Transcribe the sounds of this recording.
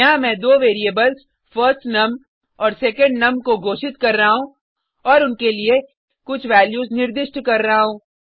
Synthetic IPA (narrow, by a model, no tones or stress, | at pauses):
ɐɦãmɛ̃ːd̪oːʋeːɾiebəlz | fʰɐɾsʈnɐm | ɔːɾsɛːkə̃ɳɖnɐmkoɡoːʃɪt̪kɐɾːɐɦaɦũ | ɔːɾʊnkelie | kʊt͡ʃʰʋɛːljuːznɪɾd̪ɪʃʈkɐɾːɐɦaɦũː